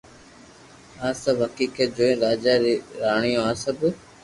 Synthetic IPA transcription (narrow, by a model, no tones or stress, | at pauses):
ãːsɐbɦɐkiːkəd͡ʒoːẽːɾaːd͡ʒaːɾaːɳ̃ijõːãːsəb